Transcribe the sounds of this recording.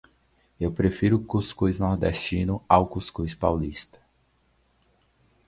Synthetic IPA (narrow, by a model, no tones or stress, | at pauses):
ewpɾefiɾʊkuskujznɔɾd̪ɛst͡ʃĩnʊawkuskujspawlist̪ɐ̥